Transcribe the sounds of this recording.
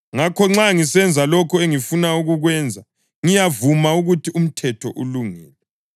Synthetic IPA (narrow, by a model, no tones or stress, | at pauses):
ŋakʰɔŋ͡ǁaŋisɛnd͡zʱalɔkʰɔeŋifunauɣuɣwɛːnd͡zʱa | ŋijavumauɣutʰium̩tʰɛtʰɔʔṵluŋɛːlɛ